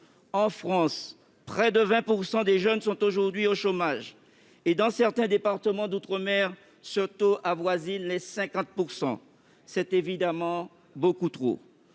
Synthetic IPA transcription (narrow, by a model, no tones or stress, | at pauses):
ɑ̃fχɑ̃s | pχɛd̪əvɛ̃puʁsɑ̃d̪eʒœnsɔ̃t̪oʒuʁd̪ɥioʃomaʒ | ed̪ɑ̃sɛʁt̪ɛ̃d̪epaʁt̪əmɑ̃d̪ut̪χəmɛʁ | səʁt̪oʔavwazinlɛsɛ̃kɑ̃t̪̚puʁsɑ̰̃ | sɛt̪evid̪amɑ̃ | bokut̪χo̰